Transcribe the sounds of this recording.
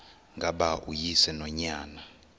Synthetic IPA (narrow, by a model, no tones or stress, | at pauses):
ŋɡʱaɓaʔujisɛnɔɲaːna